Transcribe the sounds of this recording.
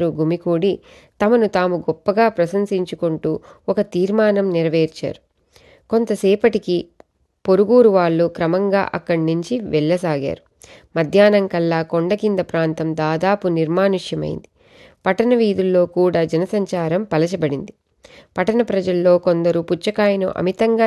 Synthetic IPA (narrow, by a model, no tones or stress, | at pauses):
ɾuɡʱumikuːɽi | t̪ɐmɐnut̪aːmuɡɔpːɐɡaːpɾɐsɐnsiɲt͡ʃukuɳʈuːɔkɐt̪iːɾmaːnɐmniɾɐʋeːɾt͡ʃa̰ːɾu | ko̞nt̪ɐsɛːpɐʈiki | po̞ɾuɡuːɾuʋaːɭːukɾɐmɐŋɡa̰ːʔɐkːɐɽnuɲt͡ʃiʋɛɭːɐsaːɡa̰ːɾu | mɐd̪ʱjaːnɐŋkɐlːaːkoɳɖɐkind̪ɐpɾaːnt̪ɐmd̪aːd̪aːpuniɾmaːnuʂjɐmɐ̰jḭnd̪i | pɐʈɐnɐʋiːd̪ulːo̞ːkuːɽaːd͡ʒɐnɐsɐɲt͡ʃaːɾɐmpɐlɐt͡ʃɐbɐɽind̪i | pɐʈɐnɐpɾɐd͡ʒɐlːo̞ːkond̪ɐɾuput͡ʃːɐkaːjɐnṵʔɐ̰mit̪ɐŋɡaː